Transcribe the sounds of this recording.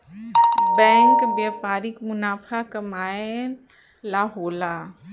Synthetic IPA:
bɛ̃ːŋkbjaːpaːɾɪkmʊnaːpʰakɐmaːe | laːɦoːla

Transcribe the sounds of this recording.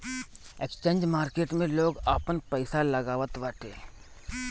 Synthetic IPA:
eːkst͡ʃẽːɲd͡ʒmaːɾkeːʈmẽloːɡaːpənpəɪsalɐɡaːʋət̪ʋəʈʰeː

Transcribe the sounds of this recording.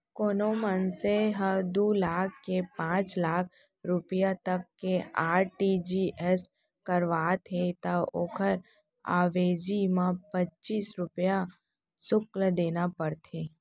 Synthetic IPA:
koːnomənseɦəd̪uːlaːkʰːepãːt͡ʃlaːkʰ | ɾʊpjat̪əkːeaːɾʈid͡ʒiʔɛs | kəɾʋaːt̪ʰet̪aoːkʰəɾ | a̰ːʋeːd͡ʒimãpətːt͡ʃiːsɾʊpja | sʊkld̪eːnapəɾt̪ʰeː

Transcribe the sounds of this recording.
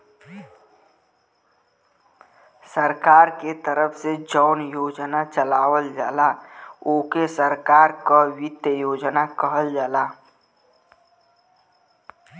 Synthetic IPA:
səɾkaːɾket̪əɾəpʰsed͡ʒɔːʊnjoːd͡ʒnat͡ʃəlaːwəld͡ʒaːlaoːkesəɾkaːɾkawɪt̪jəjoːd͡ʒnakəɦəld͡ʒaːlaː

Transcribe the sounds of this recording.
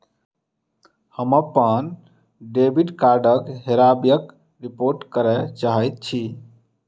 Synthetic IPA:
həməpːən | ɖebʱiɖkaɾɖəkɦeɾabjək | ɾipoɾʈkəɾɛt͡ʃaɦɛjt̪̚t͡ʃʰi

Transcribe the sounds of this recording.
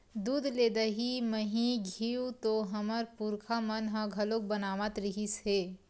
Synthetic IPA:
d̪uːd̪leːd̪əɦiməɦĩɡʱiːwt̪oɦɐməɾpuɾkʰamənɦə̃ɡʱɐlok̚bənaːʋət̪ɾɪɦiseː

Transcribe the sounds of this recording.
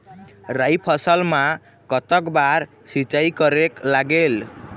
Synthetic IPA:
rajpʰʌsʌlma | kʌt̪ʌkbaɾ | sit͡ʃajkʌɾeklaɡel

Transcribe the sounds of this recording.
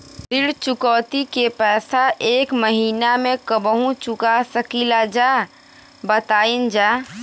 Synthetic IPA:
d̪ɪɽt͡ʃʊkɔːt̪ikepɛːsaʔeːkməɦiːnamẽkəbəɦũt͡ʃʊkasəkiːlad͡ʒaː | bət̪aːind͡ʒaː

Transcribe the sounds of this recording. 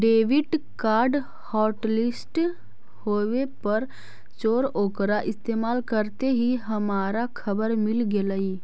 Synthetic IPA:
ɖeːʋɪʈkaːɾɖ | hɔːʈlɪsʈ | hoːʋepɐɾ | t͡ʃoːɾoːkɾaʔɪst̪eːmaːlkəɾt̪eɦiɦɐmaːɾakʰɐbəɾmɪlɡeləiː

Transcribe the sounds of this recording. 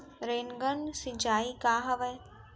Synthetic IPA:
ɾeːnɡənsit͡ʃaːikaːɦɐʋəː

